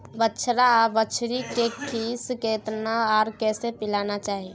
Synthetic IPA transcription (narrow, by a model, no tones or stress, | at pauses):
bəːt͡ʃʰɾabət͡ʃʰɾikekʰiːskeːt̪naɔːɾkɛːsepɪlaːnat͡ʃaːɦie